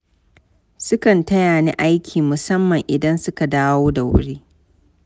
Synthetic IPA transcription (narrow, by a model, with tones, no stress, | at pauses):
sʊ˦kɐ˨ntɐ˦jaː˨nḭː˦ʔa˦jkʲʰiː˨mʊ˨sɐ˦mːɐ˨ŋʔɪ˨dɐ˦nsʊ˦ka˨daː˦woː˦da˨wʊ̰˦ɽeː˦